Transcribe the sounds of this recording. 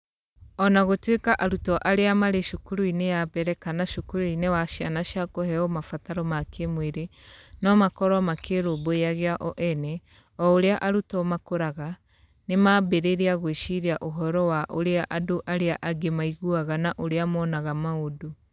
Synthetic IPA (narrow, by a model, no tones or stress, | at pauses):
ɔnaɣotwekaʔaɾutɔʔaɾeamaɾeʃokuɾuinejabɛɾɛkanaʃokuɾuinewaʃjanaʃjakohɛɔmafataɾɔmakʰemweɾenɔmakɔɾɔmakeɾoboejaɣeaʔɔʔɛnɛ | ɔoɾeaʔaɾutɔmakoɾaɣa | nemaːbeɾeɾeaɣweʃiɾeaʔoɦɔɾɔwaʔo̰ɾeaʔadoʔaɾeaʔaɡemaiɣuaɣanaʔoɾeamɔːnaɣamaodo